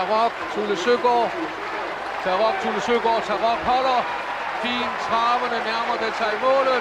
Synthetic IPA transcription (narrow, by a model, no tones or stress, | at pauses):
ʁɒɡ̥̚t͡sʰuləsøɡ̥ɒ̰ː | t͡sʰæʁɒɡ̥̚t͡sʰuləsøɡ̥ɒ̰ːt͡sʰɑʁɒɡ̥hɒ̽lɐ | fḭːnt͡sʰʁɑ̈ːʋənənæɐmɐd̥et͡sʰɑimɔ̰̽ːlð̩ˠ